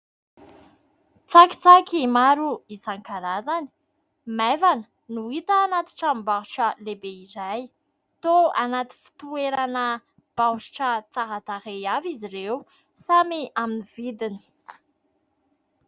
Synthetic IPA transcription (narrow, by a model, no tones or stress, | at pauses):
t͡saki̥t͡sakimaɾuisaŋkaɾazani̥ | mavanə̥ | nuit̪əːnat̪i̥ʈ͡ʂambḁʈ͡ʂəlebeiɾaj | t̪oanat̪i̥fi̥t̪ueɾanə | b̥awʃi̥ʈ͡ʂət͡saɦat̪aɾejaviziɾew | samiaminiv̥id̪ini̥